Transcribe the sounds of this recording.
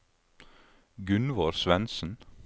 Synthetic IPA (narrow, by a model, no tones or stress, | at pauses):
ɡʉnʋoːɾsʋɛnsn̩